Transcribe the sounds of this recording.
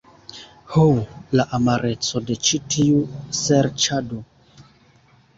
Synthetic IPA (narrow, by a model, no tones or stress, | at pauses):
holaʔamaɾe̞t͡sode̞t͡ʃitʰiuseɾt͡ʃado